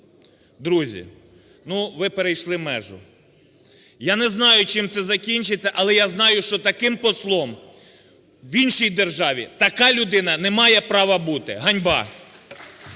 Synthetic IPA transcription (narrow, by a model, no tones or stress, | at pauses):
d̪ɾuzʲḭ | nuʋɪpeɾejʃlˠɪmɛ̰ʒʊ̰ | janɛznɑjʊt͡ʃɪmt̪sɛzɐkʲinʲt͡ʃɪt͡sʲːɐʔɐlˠɛjaznɑjʊʃt͡ʃɔt̪ɐkɪmpɔslˠɔm | ʋinʃijd̪erʒɑʋʲḭt̪ɐkɑlʲʊd̪ɪnɐnɛmɑjɛpɾɑʋɐbut̪ɪɦɐnʲbɑ